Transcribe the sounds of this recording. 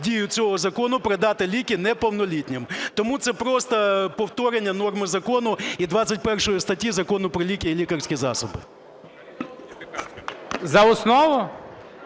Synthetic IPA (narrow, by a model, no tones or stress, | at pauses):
dʲijʊt͡sʲɔɦɔzɐkɔnʊpɾed̪ɑt̪ɪlʲikʲɪnɛpɔwnɔlʲitʲnʲɪmt̪ɔmut̪sɛpɾɔst̪ɐpɔwt̪ɔɾenʲːɐnɔrmɪzɐkɔnʊid̪ʋɑt͡sʲːɐtʲpɛrʃɔjʊst̪ɐtʲːizɐkɔnʊpɾɔlʲikʲijilʲikɐrsʲkʲizɑ̰sɔbɪ̰ | zɐɔsnɔʋʊ